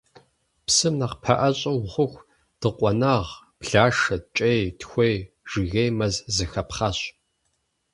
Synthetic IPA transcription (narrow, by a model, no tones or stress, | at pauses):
psɨmnɐqpʰɐ̰ʔɐɕʼɐwχʷʊxʷ | d̥ɨqʷʼɔnaʁ | pɬaːʂɐt͡ʃʼejtxʷej | ʒ̥ɪɣejmɐzzɨxɐpχɐɕ